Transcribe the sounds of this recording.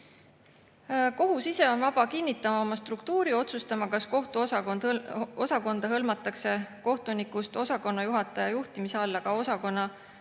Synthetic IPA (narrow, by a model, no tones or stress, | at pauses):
ko̞ɦusise̞o̞nvɑb̥ɑkinːit̪ːˑɑmɑo̞mɑst̪rukt̪uːɾio̞t̪sust̪ɑmɑkɑsko̞ht̪uɑ | o̞sɑko̞nd̪̥ɑɦɤlmɑt̪ːˑɑkse̞ko̞ht̪unikˑust̪o̞sɑko̞nːɑjuɦɑt̪ːˑɑjɑjuht̪imiseɑlːɑkɑo̞sɑko̞nːɑ